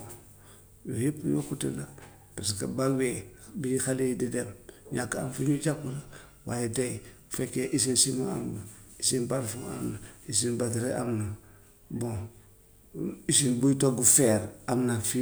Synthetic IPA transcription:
jo̰hipːjo̰kutela | paskabawebiixalididemɲakːaa̰mfiɲud͡ʒakːula | wajedej | fekːeʔis̬insimaa̰mnaisinbaɾfuŋa̰mnaisinbatiɾea̰mnan | bõ | isinbujtoɡufeɾamnanfi

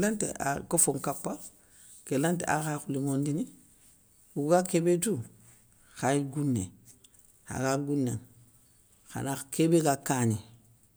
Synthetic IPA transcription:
lantḛa̰kofoŋkapːa | kelanteʔa̰xaxulimondini | uɡakebetu | xaiɡunːḛ | a̰ɡaɡunːeŋ | xa̰nakebekakaɲi

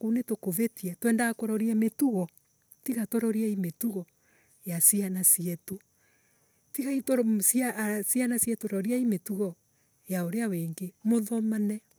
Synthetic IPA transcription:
kunetokovetiɛtwɛːndakoɾɔɾiɛmetuɣɔ | tiɣatoɾɔɾiɛimetuɣɔ | jasianasiɛto | tiɣaitosiasianasiɛtoɾɔɾiaimetuɣɔ | jaoɾeaweŋɡemoðɔmanɛ

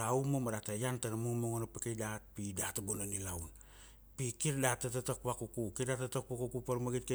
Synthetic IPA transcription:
aumomadatajantanamumoŋonapekejdat̚pidatabonanilaun | pikiɾdatːatatok̚pakukukiɾdatatok̚pakukupaɾmaɡit̚ke

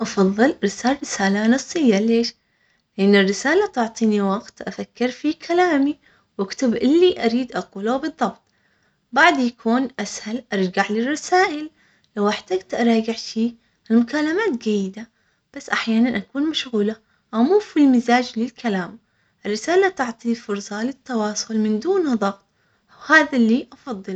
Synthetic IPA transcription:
ʔɑfɑðˤːɨlɾɪsaːrɪsaːlanɑsˤːɨjːaleːʃ | lɪʔɪnːɪrːɪsaːlat̪ʊʕt̪ˤiːniwɑɡt̪ʔafakːɪɾfikʰalaːmi | wʔakt̪ɪbʔɪlːiʔaɾiːd̪ʔɑquːlawbɨðˤːɑbt̪̚ˤ | baʕd̪jakʰuːnʔashalʔɑɾˤɡaʕlɪrˤːɑsaːʔɪl | lawʔaħt̪aɡt̪ʔɑɾˤɑːɡɪʕʃiː | ɪlmʊkaːlamaːt̪d͡ʒajːɪd̪a | b̥asːʔaħjaːnanʔakuːnmaʃɣuːla | ʔamuːfilmɪzaːd͡ʒlɪlkʰalaːm | ʔɪrːɪsaːlat̪ʊʕt̪ˤifʊɾsˤɑlɪt̪ːɑwɑːsˤʊlmɪnd̪uːnðˤɑbt̪ˤ | whaːðalːiʔɑfɑðˤːɨl

